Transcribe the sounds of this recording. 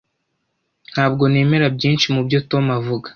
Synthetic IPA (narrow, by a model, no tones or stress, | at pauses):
n̥haːbɡo̞ne̞ːme̞ɾabɟiːnʃimubjoto̞mavuɡḁ